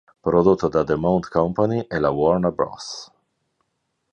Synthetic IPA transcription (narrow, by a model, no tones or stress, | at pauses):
pɾod̪ot̪ːod̪ad̪emawnt̪kɔmpaniʔelawɔɾnabɾɔ̰s